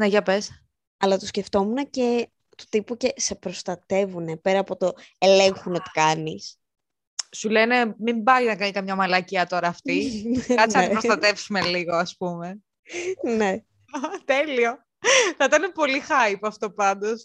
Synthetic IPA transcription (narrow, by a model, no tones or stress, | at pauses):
neʝɐpes | ɐlɐt̪osce̞ft̪o̞munece | t̪o̥t̪ipuce̞se̞pɾo̞st̪ɐt̪e̞vune̞pe̞ɾɐːpo̞t̪o̞ele̞ŋxuno̞t̪i̥kɐnis | sulene̞mimbɐinɐkɐnikɐmɲɐmɐlɐciɐt̪o̞ɾɐːft̪ikɐt͡siɐɾost̪ɐt̪e̞fsume̞liɣo̞ɐspume̞ | ne̞ | t̪elio̞ | θɐit̪ɐnepo̞lixɐjpoɐft̪o̞pɐnd̪o̞s